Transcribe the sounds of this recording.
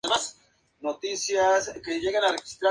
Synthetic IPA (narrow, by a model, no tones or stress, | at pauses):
emas | not̪isjaskeʝe̞ɣanarexi̥st̪ɾa